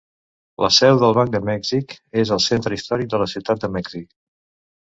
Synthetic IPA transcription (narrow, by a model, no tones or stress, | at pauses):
lʔə̰sɛwðəlˠβaŋk̚d̪əmɛɡzikezəlˠsent̪ɾəist̪ɔɾik̚d̪ələsiwt̪at̪̚d̪əmɛɡzik